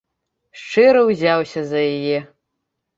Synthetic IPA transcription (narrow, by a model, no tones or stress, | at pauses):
ʂʈ͡ʂʰeɾɐwzʲawsʲɐzɐjaje